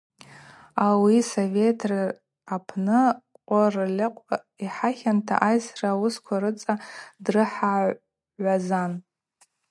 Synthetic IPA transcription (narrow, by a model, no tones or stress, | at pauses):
awisovetʰr | apʰnɨqʷʼarlʲaqʷʼ | iħaχʲantʰa̰ʔajsraːwʊskʷʰaɾɨt͡sʼadrɨħa | azan